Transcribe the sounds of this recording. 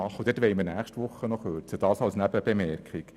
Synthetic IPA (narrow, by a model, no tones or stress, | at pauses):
ɑχːəd̪ɪtʋɛɪməɾnæːχʃtʋʊχːənɔχøːɾt͡səd̥ɑːsɑlsnæbəb̥emɛɾkχik